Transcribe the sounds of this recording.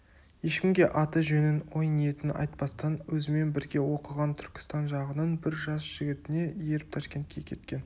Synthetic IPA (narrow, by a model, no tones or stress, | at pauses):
je̞ʃkʲɪmɡʲe̞ʔɑt̪əʒɵnɪnwo̞jnije̞t̪ɪnɪʔɑ̰jt̪̚pɑst̪ɑnwɵzɪme̞nbɪɾɡʲe̞wo̞qəʁɑnt̪ʰʏɾkʲɪ̥st̪ɑnʒɑʁənənbɪɾʒɑsʒ̥ɪɡʲɪt̪ɪne̞je̞ɾɪp̚t̪ʰɑʃkʲe̞nt̪̚kʲʰe̞kʲʰe̞t̪̚kʲe̞n